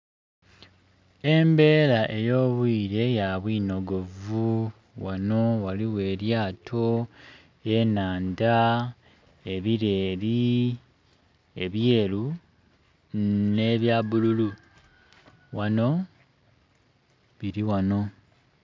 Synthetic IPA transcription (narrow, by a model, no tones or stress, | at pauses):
e̞mbe̞ːlaʔe̞jo̞ːβwiːɾe̞jaβwiːno̞ɡo̞vu | wano̞waliwe̞ːɾjaːtʰo̞ | e̞naːnda | e̞βiɾe̞ːɾi | e̞βje̞ːlu | ne̞βjaβululu | wano̞ | βiɾiwano̞